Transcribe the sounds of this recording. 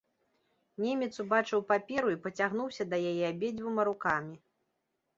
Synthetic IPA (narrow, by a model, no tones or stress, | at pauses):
nʲemʲɛt̪subat͡ʂɨwpapʲɛɾuipɐt͡sʲaɣn̪uwsʲɐd̪ɐjajɛabʲed͡zʲvɨmɐɾukamʲi